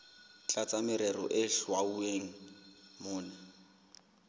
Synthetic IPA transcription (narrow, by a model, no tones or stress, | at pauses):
t͡ɬʼat͡sʼamɪɾɛrɔ̰ʔɪɬwaueŋ̩mʊːnɛ